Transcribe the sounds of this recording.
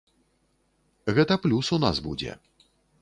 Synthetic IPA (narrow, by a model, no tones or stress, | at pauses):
ɣɛt̪ɐplʲusuna̰zbṵd͡zʲɛ̰